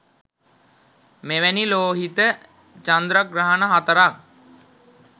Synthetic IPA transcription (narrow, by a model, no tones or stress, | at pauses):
meʋæniloːɦit̪ə | t͡ʃand̪ɾaɡɾaɦənəɦat̪əɾak̚